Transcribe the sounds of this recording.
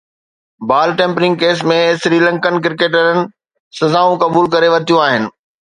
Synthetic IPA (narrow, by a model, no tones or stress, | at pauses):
baːlʈẽːmpɾɪ̃ŋɡkeːs̬mẽsɾiːlɐ̃ŋkənk̬ɪɾkeːʈ̬əɾənɪ̆ | sɐzaːũkɐbuːlkɐɾeʋɐɾt̪ijũaːɦɪnɪ̆